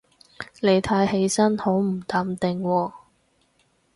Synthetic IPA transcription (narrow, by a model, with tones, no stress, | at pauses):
le˨˧jt̪ʰaː˧jhe˨˧jsɐ˥nho˨˥wm̩˨˩t̪aː˨˧mt̪ɪ˨ŋwɔː˧